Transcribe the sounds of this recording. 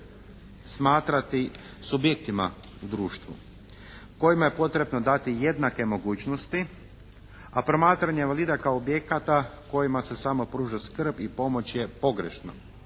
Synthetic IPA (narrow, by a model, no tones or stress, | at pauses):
smaːt̪ɾat̪i | subjek̚t̪ima̰ud̪ɾuːʃt̪ʋṵ | ko̞jimaje̞po̞t̪ɾe̞bnod̪at̪ije̞d̪nake̞mo̞ɡuːt͡ɕno̞st̪i | apɾo̞maːt̪ɾaɲeʋalˠiːd̪akaoobje̞kat̪ako̞jimase̞samo̞pɾuːʒaskr̩bipo̞mo̞t͡ɕje̞po̞ɡɾeʃno̰